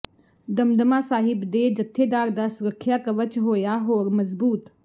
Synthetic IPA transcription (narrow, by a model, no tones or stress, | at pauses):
d̪ɐmd̪əmaːsaːɦɪbd̪eːd͡ʒɐt̪ʰːeːd̪aːɾd̪aːsʊɾəkʰːjaːkɐʋət͡ʃɦoːjaːɦoːɾmɐzbuːt̪